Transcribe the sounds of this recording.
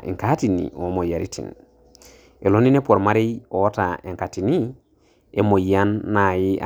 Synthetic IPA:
ḛ˨ŋkati˨nḭo˨˦mo˨ja˨ɾḭ˦tʰḭ˨n | e˨lo˦ni˦ne˦po˨ɾma˦ɾe˦jo˨˦ta˨e˨ŋkati˨ni˦ | e˨mo˨ja˦nːa˨ji˦ʔa̰

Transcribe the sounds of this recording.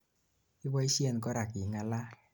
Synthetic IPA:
i˦wɔ˦i˦sjɛ˦˨nkɔ˦ɾa˨ki˨ŋa˨la˦

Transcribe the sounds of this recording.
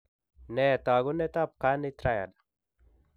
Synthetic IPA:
nɛ˨t̪a˨ɡu˦nɛ˦t̪a˦p̚ka˦ni˦t̪ɾa˦ja̰˨dḁ˨

